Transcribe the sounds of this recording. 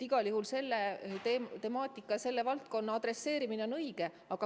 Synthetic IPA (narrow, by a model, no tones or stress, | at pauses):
t̪iɡ̥ɑljuhɦulse̞lːet̪et̪e̞mɑːt̪ːˑikːˑɑse̞lːe̞vɑlt̪̚ko̞nːɑɑd̪re̞sːe̞ːɾimine̞o̞nɤjɡ̥e̞ | ɑɡ̥ɑ